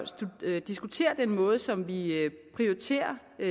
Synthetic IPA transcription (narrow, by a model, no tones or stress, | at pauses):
ud̥isɡ̥ut͡sʰe̝̰ːɐd̥enmɔ̽ːð̞̩ˠsɒ̽mʋipʰʁiɒit͡sʰe̝̰ːɐ